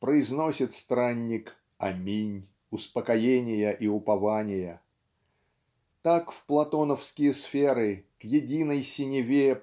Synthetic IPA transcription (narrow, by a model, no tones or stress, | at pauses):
pɾəɪzno̞sʲɪt̪st̪ɾanʲːɪk | ɐmʲinʲ | ʊspəkɐjenʲɪjəʔiʊpɐvanʲɪjə | t̪akfplˠɐt̪o̞nəfskʲɪjəsfʲe̞ɾɨkjɪdʲinəjsʲɪnʲɪvʲe